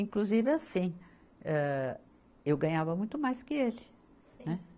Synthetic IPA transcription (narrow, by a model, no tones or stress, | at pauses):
ĩkluzivɪasĩ | ɛ | ewɡɐ̃ɲavɐmũj̃t̪ʊmajskɪelɪ̃ | nɛ